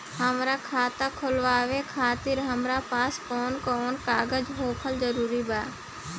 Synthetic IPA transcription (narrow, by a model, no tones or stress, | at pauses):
ɦəmɾaːkʰaːt̪aːkʰolʋaːʋeːkʰaːt̪ɪɾɦəmɾaːpaːskoːnkoːnkaːɡəd͡ʒɦoːkʰəlzəɾuːɾiːbaː